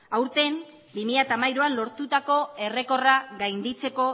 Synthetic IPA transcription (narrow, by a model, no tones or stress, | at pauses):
awɾt̪e̞n | bimiʎat̪amajɾoanlo̞ɾt̪ut̪ako̞e̞re̞ko̞raɡajnd̪it͡se̞ko̞